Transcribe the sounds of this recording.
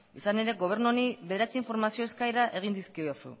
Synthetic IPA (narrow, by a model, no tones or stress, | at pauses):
isane̞ɾe̞ɡo̞β̞e̞ɾnuoniβe̞ðeɾat͡siiɱfo̞ɾmasio̞eskajɾaʔe̞ɣ̞ind̪iskiosṵ